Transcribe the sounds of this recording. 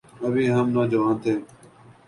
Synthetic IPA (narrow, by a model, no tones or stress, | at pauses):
əbiːɦəmnoːd͡ʒəʋãːnt̪ʰeː